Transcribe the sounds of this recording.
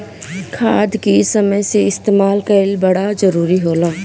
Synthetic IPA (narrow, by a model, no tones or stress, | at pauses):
kʰaːd̪kisɐməjseɪst̪eːmaːlkaɪlbɐɽazɐɾuːɾiɦoːlaː